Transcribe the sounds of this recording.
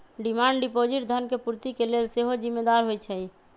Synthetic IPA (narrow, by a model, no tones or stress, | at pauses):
ɖimaɳɖɖipod͡ʒiʈd̪ʱənkepuɾt̪ikelelseɦod͡ʒimːed̪aɾɦojt͡ʃʰɛj